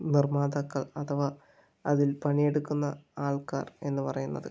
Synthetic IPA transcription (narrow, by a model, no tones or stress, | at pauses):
nirmaːd̪ɐkːɐɭɐt̪ʰɐʋa | ɐðilpɐɳije̞ɽukːunːɐaːɭka̰ːre̞nːɨpɐrɐjunːɐ̰ðɨ